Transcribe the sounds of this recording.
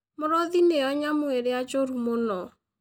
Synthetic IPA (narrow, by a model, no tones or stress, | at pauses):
moɾɔðineɔɲamoeɾead͡ʒoɾumonɔ